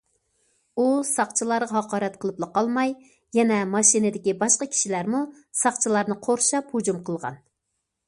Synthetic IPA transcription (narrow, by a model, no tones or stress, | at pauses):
usɑqt͡ʃʰlˠɑɾʁɑɦɑqɑːɾɛt̪qʰəlˠɨplˠəqɑlˠmɑj | jɛnɛmɑʃinɪd̪ɪkʲibɑʃqɑkʲʰi̥ʃilæɾmu | sɑqt͡ʃʰɨlˠɑɾnɨqʰoɾʃɑphud͡ʒumqʰəlˠʁɑ̰n